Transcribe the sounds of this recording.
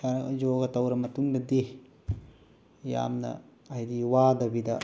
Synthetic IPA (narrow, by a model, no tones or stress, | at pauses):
aɾd͡ʒoɡɐt̪ɐwɾɐmɐt̪uŋdɐdi | ja̰mnɐ̰ | ɐidiwaːdɐbidɐ